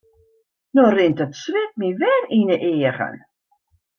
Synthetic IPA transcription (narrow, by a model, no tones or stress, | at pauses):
norɪntətsrɪt̚miʋɛrinəʔɪːəɣə̰n